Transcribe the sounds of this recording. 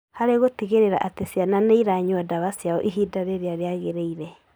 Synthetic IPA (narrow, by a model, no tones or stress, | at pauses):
haɾeɣotiɣeɾeɾaʔatesiananeiɾaɲwɔdaβasjaɔʔiɦidaɾeɾeaɾeaɣeɾeiɾɛ